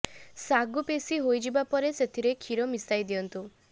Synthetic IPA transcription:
saɡupesiɦojd͡ʒibapɔɾeset̪ʰiɾekʰiɾɔmisajd̪iɔnt̪u

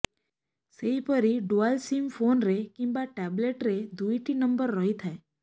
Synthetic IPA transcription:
seipəɾiɖualsimfonɾekĩmbaʈɛbleʈɾed̪ujʈinəmbəɾːəɦit̪ʰae

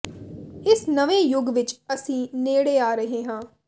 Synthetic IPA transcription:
ɪsnəʋẽːjʊɡʋɪt͡ʃəsĩːneːɽeːaːɾəɦeːɦãː

